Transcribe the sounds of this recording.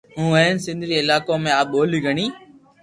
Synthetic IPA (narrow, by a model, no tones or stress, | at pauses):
ɦũːʋə̃ɪnsɪ̃nd̪ʱɾiɪlaːkõmẽaːɓoːliɡʱəɽ̃iː